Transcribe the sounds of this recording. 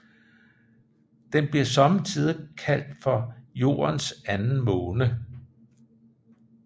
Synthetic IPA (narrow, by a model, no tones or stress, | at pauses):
d̥enb̥liɐsɒ̽mət͡sʰið̞ˠkʰæl̰d̥fɒ̽jo̝̰ːɐnsænn̩mɔ̽ːnə